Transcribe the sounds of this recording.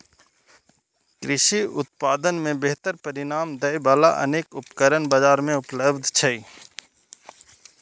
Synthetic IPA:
kɾɪʃiʊ̰t̪̚paːd̪ənmẽbeɦt̪əɾpəɾɪnaːmd̪əibaːla̰ʔɐ̰neːkʊpkəɾənbəd͡ʒaːɾmẽʊpləbd̪ʱt͡ʃʰɐiː

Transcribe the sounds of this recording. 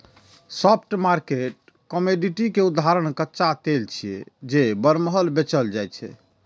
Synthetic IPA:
sɔp̚ʰʈmaɾkeʈ̚ | kəmeɖiʈikeud̪aɾəɳ̃kətːʃat̪elt͡ʃʰiḛd͡ʒebəɾməɦəlbet͡ʃəld͡ʒajt͡ʃʰɛ̰

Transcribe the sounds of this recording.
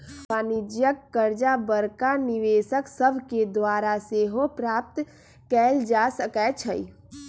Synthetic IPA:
aːnɪd͡ʒjəkːəɾd͡ʒabəɾkanɪʋeːʃəksəbʱked̪waːɾaseɦopɾaːp̚t̪ | kɛːld͡ʒaːsəkɛt͡ʃʰəḭ

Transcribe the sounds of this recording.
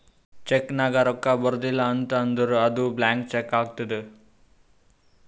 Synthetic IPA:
t͡ʃeknaɡaɾɔkːabɐɾd̪ilaːnt̪ɐːnd̪uɾuɐd̪ublaːŋk̚t͡ʃekːaːɡ̚t̪id̪ɯ

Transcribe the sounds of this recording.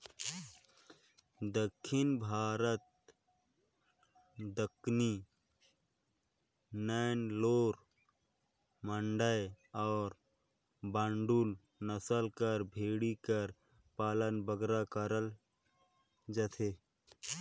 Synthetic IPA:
d̪əkʰːɪnbʱaːɾət̪̚ | d̪əkʰni | nanloːɾ | məɳɖəj | ɔːɾ | bãːɳɖul | nəsəlkəɾbʱeːɽikəɾ | paːlənbəɡɾakəɾəl | d͡ʒət̪ʰe

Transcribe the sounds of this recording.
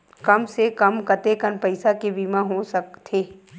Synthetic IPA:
kɐmsekɐmkɐt̪ekənpɐɪsakebiːmaɦosɐkt̪ʰeː

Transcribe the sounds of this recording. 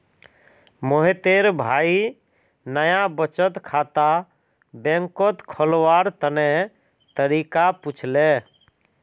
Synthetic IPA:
moɦet̪eɾbʱai | nəjabət͡ʃət̪kʰat̪a | bẽŋkot̪kʰɔlwaɾt̪əne | t̪əɾikaput͡ʃʰle

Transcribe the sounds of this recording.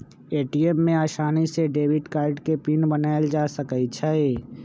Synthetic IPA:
eːʈiːemːẽaːʃaːniseɖeːwɪɖkaːɾɖkepinbənaːeld͡ʒaːsəkəit͡ʃʰɛe

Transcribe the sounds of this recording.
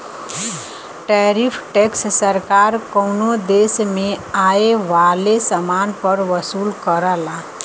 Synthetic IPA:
ʈɛɾipʰʈekssəɾkaɾkəwnod̪esmẽaeʋalesəmanpəɾʋəsulkəɾəla

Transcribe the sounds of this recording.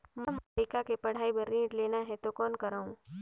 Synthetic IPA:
məmaɾikakepɐɽ̤aːibɐɾːĩːɖleːnaɦɛt̪okɔːnkəɾaːũː

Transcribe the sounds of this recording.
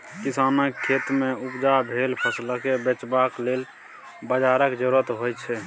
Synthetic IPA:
kisanəkʰːet̪meupd͡ʒabʱelpʰəslakebet͡ʃbaklel | bəd͡ʒaɾəkd͡ʒəɾuɾət̪ɦojt͡ʃʰɛ

